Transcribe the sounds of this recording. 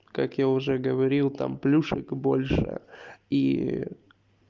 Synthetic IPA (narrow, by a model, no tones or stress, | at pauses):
kakjaʊʐɛɡəvɐɾʲilˠt̪a̰mplʲuʂɨkbo̞lʲʂɨ̰i